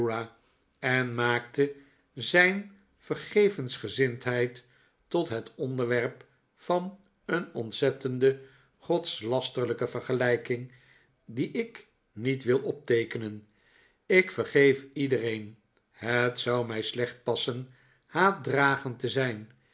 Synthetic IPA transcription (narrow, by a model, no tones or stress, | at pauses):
a | ɛnmaːktə | zɛjn | v̥ərχejvənsχəzɪntɦɛjtː | ɔtɦətɔndəɹʋɛɹp | fɑn | ənɔntsɛtəndə | χɔtslɑstərləkəvəɹχəlɛjkɪŋ | diʔɪk | nitʋɪlˠʔɔp̚tejkənən | ɪkfəɹχejfidərejn | hətsʌwmɛjslɛχt̚pɑsən | haːdraːχəntəzɛjn